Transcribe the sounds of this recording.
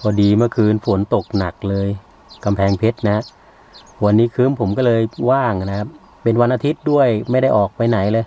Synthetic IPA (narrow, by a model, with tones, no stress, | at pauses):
pʰɔː˧˩diː˧ma˧˥˩kʰɯː˧nfo˩˦nt̪o˨˩k̚na˨˩k̚lɤː˧j | ka˧mpʰɛː˧ŋpʰe˦˥t̪̚na˦ha˦˥ʔ | wa˧nːiː˦˥kʰɯː˦˥mpʰo˩˦mkɔ˥˩lɤː˧jwaː˥˩ŋna˦kʰa˦˥pː | e˧nwa˧nʔaː˧t̪ʰi˦˥t̪̚du˥˩əjma˥˩jda˥˩jʔɔː˨˩k̚pa˧jna˩˦jlɤː˧j